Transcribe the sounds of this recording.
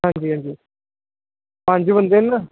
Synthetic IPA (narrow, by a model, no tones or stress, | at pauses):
ɦãːɲd͡ʒiːɦãːɲd͡ʒiː | pãɲd͡ʒʋənd̪enːa